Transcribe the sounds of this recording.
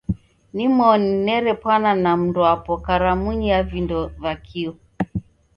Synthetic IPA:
nimɔninɛɾɛpwananam̩ndɔapɔkaɾamuɲiavindɔvakʰiɔ

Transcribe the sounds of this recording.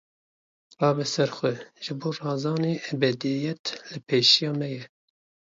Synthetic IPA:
rɑːbɛsɛɾxʷɛʒ̥ɨboːrɑːzɑːneːʔɛbɛd̪ijɛt̪lɨpʰeːʃijɑːmɛjɛ

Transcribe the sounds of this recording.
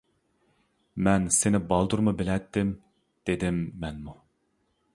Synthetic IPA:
mɛnsɪnɪbɑlˠd̪uɾmɨbɪlɛt̪ːɪm | d̪̥ed̪ɪmːɛnmu

